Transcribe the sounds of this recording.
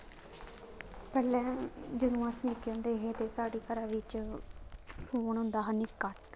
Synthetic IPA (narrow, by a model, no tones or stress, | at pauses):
pɛːlɛ̃ːd͡ʒənũːasnɪkjõːnd̪eːɦet̪eːsaːɖiːkəɾaːʋɪt͡ʃ | suːəɳɦʊnd̪aːɦəniːkːaʈ